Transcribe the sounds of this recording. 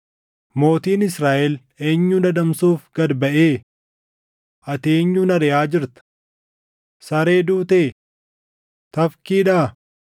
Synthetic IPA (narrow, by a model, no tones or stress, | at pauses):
mo̞ːt̪iːnɪsɾaːʔɛl | eːɲːuːdɐd̪ɐmsuːfɡ̥ɐd̪bɐʔeː | ʔɐt̪eːɲːuːnɐɾɛjaːd͡ʒɪɾt̪ɐ̥ | sɐɾe̞ːd̪uːt̪eː | t̪ɐfkiːᶑaː